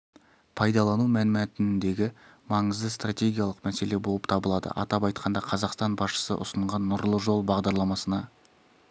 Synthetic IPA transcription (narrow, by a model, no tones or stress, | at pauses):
pʰɑjd̪ɑlˠɑnumænmæt̪ɪnɪnd̪e̞ɡʲɪ | mɑɴəzd̪əst̪ratʲe̞ɡʲijɑlˠəqmæse̞le̞bo̞lˠəpt̪ʰɑbəlˠɑd̪ə̰ʔɑ̰t̪ɑpɑjt̪qʰɑnd̪ɑqʰɑzɑqst̪ɑnbɑsʃə̥sə̰ʔʊ̰səɴʁɑnːʊɾlˠəʒo̞lˠbɑʁd̪ɑɾlˠɑmɑsənɑ